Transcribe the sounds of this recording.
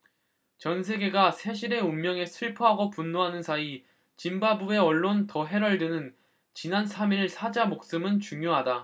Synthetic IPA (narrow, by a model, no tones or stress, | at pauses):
t͡ɕʌnsʰe̞ɡe̞ɡasʰe̞ɕ̬ʰiɾe̞umːjʌŋe̞sʰɯɭpʰoɦaɡopunːoɦanɯnsʰai | t͡ɕimbabue̞ʌɭːontʌɦe̞ɾʌɭdɯnɯn | t͡ɕinansʰamiɾɯɭsʰad͡ʑamok̚s͈ɯmɯnt͡ɕuŋjoɦada